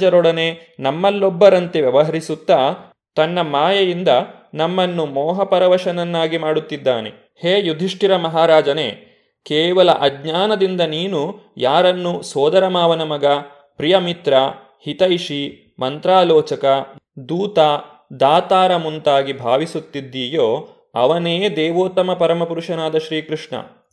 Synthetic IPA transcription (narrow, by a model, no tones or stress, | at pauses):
d͡ʒɐɾɔɽɐne̞nɐmːɐlːɔbːɐɾɐnt̪eʋjɐʋɐɦɐɾisut̪ːaː | t̪ɐnːɐmaːjɐjind̪ɐ | nɐmːɐnːumɔːɦɐpɐɾɐʋɐʃɐnɐnːaːɡimaːɽut̪ːid̪ːa̰ːnḛ | heːjud̪ʱiʂʈiɾɐmɐɦaːɾaːd͡ʒɐnḛː | kɛːʋɐlɐ̰ʔɐɡɲaːnɐd̪ind̪ɐniːnujaːɾɐnːusɔːd̪ɐɾɐmaːʋɐnɐmɐɡɐ | pɾijɐmit̪ɾɐ | hit̪ɐjiʃi | mɐnt̪ɾaːlɔːt͡ʃɐkɐd̪uːt̪a | d̪aːt̪aːɾɐmunt̪aːɡibʱaːʋisut̪ːid̪ːiːjoː | ɐ̰ʋɐneːd̪ɛːʋoːt̪ɐmɐpɐɾɐmɐpuɾuʂɐnaːd̪ɐʃɾiːkɾuʂɳɐ̰